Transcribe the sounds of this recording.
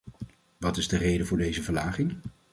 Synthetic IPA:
ʋɑtɪzdərejdəvʊːɹdejzəvəɹlaːχɪŋ

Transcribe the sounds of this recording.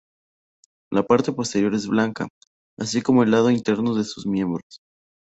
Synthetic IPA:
lapaɾt̪e̞po̞st̪e̞ɾjo̞ɾe̞zβlaŋka̰ | asiko̞mo̞e̞lːað̞o̞int̪e̞ɾno̞ðesuzmje̞mbɾo̞s

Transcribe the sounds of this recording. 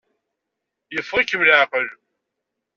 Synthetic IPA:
jəfʁəkːəmləʕqəl

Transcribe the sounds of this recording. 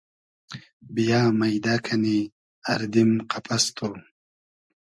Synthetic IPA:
bijaːmajd̪akʰani | aɾd̪imqapʰast̪ʰo

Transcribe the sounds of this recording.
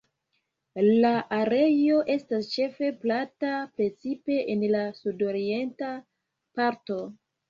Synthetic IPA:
laʔaɾe̞jo̞ʔe̞stast͡ʃe̞fe̞platapɾe̞t͡sipe̞ʔenlasudo̞ɾie̞nta | paɾto̞

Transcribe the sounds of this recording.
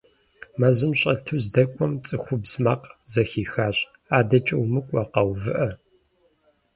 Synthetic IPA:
mɐzɨmɕʼɐtʰuzdɐkʷʼɔmt͡sʼɨxʷʊbzmaːqzɐxiːxaːɕʼ | aːdɐt͡ʃʼɐwmɨkʷʼɐqɐwvɨʔɐ

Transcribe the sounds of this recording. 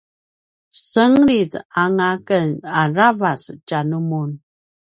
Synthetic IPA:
səŋɾitaŋakənaɾavast͡ʃanumun

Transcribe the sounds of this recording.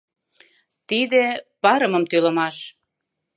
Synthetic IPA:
t̪id̪epɑɾə̆mə̆mt̪ylə̆mɑʃ

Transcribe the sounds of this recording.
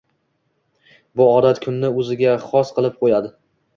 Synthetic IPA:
bʊɒd̪at̪kʰʊnːɪɵzɪɡʲaχɒsqʰɨlˠɪp̚qʰojad̪ɪ

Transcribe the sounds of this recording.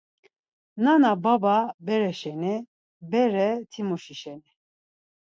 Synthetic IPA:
nanabababɛɾɛʃɛni | bɛɾɛt̪ʰimuʃiʃɛni

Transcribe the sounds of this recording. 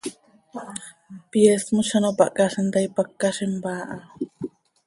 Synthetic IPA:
pjesmoʃanopa̰ʔkaɬent̪ajpakːaʃembaːʔa

